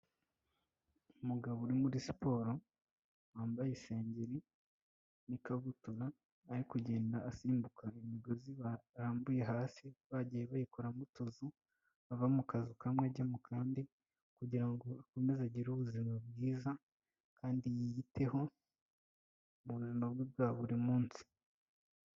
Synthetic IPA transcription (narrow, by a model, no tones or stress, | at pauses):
umuɡaβouɾimuɾisi̥po̞ːɾo̞ | waːmbajese̞ːɲɟeɾi | nikaβutuɾaː | ɾikuɟe̞ːndaːsiːmbukaimiɡo̞ziβaɾaːmbuje̞ɦaːsiβaɟijeβajikoɾamutozu | βavamukazikamweɟemukʰaːndi | kuɟiɾaŋɡo̞ako̞me̞zaɟiɾuβuzimabɡiːza | kʰaːndijijite̞ho̞ | muβuzimab̚ɡibɡaːβuɾimuːnsi̥